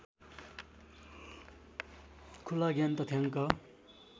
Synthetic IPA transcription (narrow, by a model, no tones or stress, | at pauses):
kʰulaɡant̪ʌt̪ʰaŋkʌ